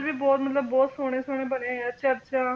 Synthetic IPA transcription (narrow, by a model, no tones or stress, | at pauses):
ɾʋiːbɔːt̪mət̪ləbːɔːt̪soːɽ̃ẽːsoːɽ̃ẽːbənẽətːʃʰaːətːʃʰaː